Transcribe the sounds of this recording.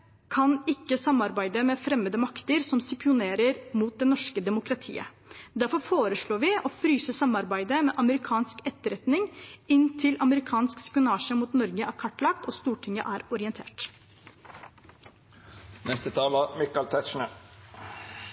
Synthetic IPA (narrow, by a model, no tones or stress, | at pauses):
kʰɑnɪkːəsɑmɑɾbæɪd̪əmɛːfɾɛmːəd̪əmɑkt̪əɾsɔmsɪpɪʊneːɾəɾmuːt̪̚d̪ɛnɔʂkəd̪ɛmʊkɾɑt̪ʰḭːə̰ | d̪æɾfɔɾfoːɾəʂɭoːɾʋɪʔɔːfɾyːsəsɑmɑɾbæɪd̪əmɛːʔɑməɾɪkʰɑːnskɛt̪ːəɾɛt̪nɪŋɪnt̪ʰɪlɑməɾɪkʰɑːnskspɪʊnɑːʂəmuːt̪nɔɾɡəʔæːɾkʰɑʈːlɑk̚t̪ɔst̪uːʈʰɪŋə̰ʔæːɾɔɾɪɛnt̪ʰḛːʈ | nɛst̪ət̪ʰɑːləmɪkɑlt̪ʰɛt̪ʃɳə